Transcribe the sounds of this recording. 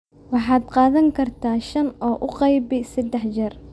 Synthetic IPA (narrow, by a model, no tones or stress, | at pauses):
wɑħɑːd̪qɑːðɐŋkʰɐrt̪ʰaːʃɐnɔːʔʊqɑjbɛsɛd̪ːɛħd͡ʒɐr